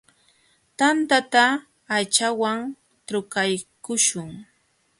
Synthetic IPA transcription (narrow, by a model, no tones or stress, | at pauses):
t̪ant̪at̪aː | t͡ʃawaŋ | t̪ʊkajkʊʃʊŋ